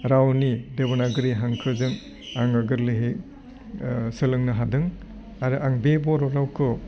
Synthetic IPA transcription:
ɾawnidebɔnaɡɯɾiɦaŋkʰɯzɯŋ | aŋaɡɯɾlɯɦe | sɯlɯŋnɯɦadɯŋ | aɾɯʔaŋbebɔɾɔɾawkʰɯ

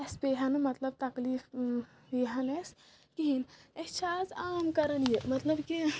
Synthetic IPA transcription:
espeɦɐnmɐt̪lɐb̚t̪ɐkliːf | jiɦɐnes | kiɦinet͡ʃʰazaːmkɐɾɐnjemɐt̪lɐbki

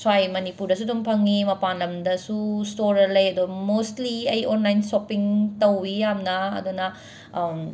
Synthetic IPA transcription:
swajmɐnipuɾdɐs̬udumpʰɐŋimɐpanlɐmdɐsustoɾɐlɐjɐdomostliɐjonlajnsopiŋtɐwːijamnɐɐ̰dunɐ

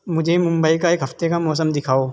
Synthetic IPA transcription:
mʊd͡ʒʱemʊ̃mbəikaɪkɦɐft̪ekamɔːs̬əmd̪ɪkʰaːoː

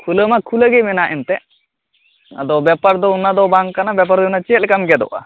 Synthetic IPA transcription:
kʰuləmakʰuləɡemɛnaʔint̪ɛ | ɐ̰d̪ɔbɛpaɾd̪ounːad̪ɔbaŋkanabɛp̬aɾd̪ɔunːat͡ʃiːlkɐmɡɛd̪ɔ̰ʔa̰

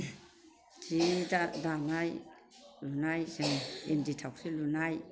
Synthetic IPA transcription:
d͡ʒidadanaj | lunajsenenditʰawksilunaj

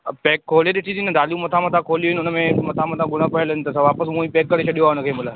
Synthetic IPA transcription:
peːkʰːoːleɗ̪et͡ʃʰiːt̪inəd̪aːlijũmət̪ʰãmɐt̪ʰãːkʰoːlijoːɦɪnʊnəmẽmɐt̪ʰãmət̪ʰãːɡʊɽ̃ãpəelnt̪əsaʋaːpəsmũːĩːpeːkːəɾeːt͡ʃʰəɗijoaːʊnəkʰeːmʊlaː

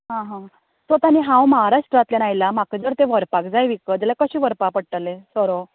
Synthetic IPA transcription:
ɦãɦã | sot̪aniɦãwməɦaɾaʂʈɾat̪ljanajlamakəd͡zəɾt̪eʋəɾpakd͡zajʋikəd͡ʑalakəɕiʋəɾpak̚pəɽ̚ʈalesɔɾo

